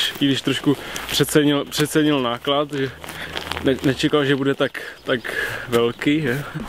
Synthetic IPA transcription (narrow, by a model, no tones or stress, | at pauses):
ʃiɡdɪʃt̪ɾoʃkupr̥ɛt̪t͡sɛɲɪlpr̥ɛt̪sɛɲɪlnaːklat̪ʒɛ | nɛnɛt͡ʃɛkalʒɛbudɛt̪akt̪akvɛlkiːʒɛː